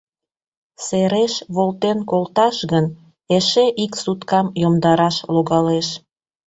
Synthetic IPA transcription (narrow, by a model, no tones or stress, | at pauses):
seɾeʃβolt̪enkolt̪ɑʃɣən | eʃeʔiksut̪kɑmjomd̪ɑɾɑʃloɣɑleʃ